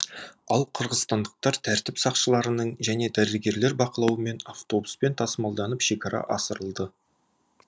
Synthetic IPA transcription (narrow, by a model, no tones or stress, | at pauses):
ɑlˠqʰəɾʁəzst̪ɑnd̪əq̚t̪ɑɾt̪ʰæɾt̪ɪpsɑqʃəlˠɑɾənəɴʒæne̞d̪æɾɪɾɡʲe̞ɾle̞ɾbɑqəlˠɑwəme̞naft̪o̞buspe̞nt̪ʰɑsəmɑlˠd̪ɑnəpʃe̞kʲɑɾɑ̰ʔɑsəɾəlˠd̪ə